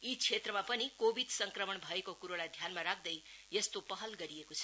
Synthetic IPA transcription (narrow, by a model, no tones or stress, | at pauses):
it͡sʰet̪rʌmapʌnikobʱid̪sʌŋkrʌmʌɳbʱʌekokuɾolad̪ʱjanmaɾak̚ʰd̪ʌjjʌst̪opʌɦʌlɡʌɾiekot͡sʰʌ̥